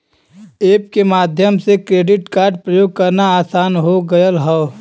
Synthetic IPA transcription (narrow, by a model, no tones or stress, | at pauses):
eːp̚kemaːd̪ʱjəmsekɾeːɖɪʈkaːɾɖ̚pɾəjoːɡ̚kɐɾnaaːsaːnɦoɡəjəlɦɔ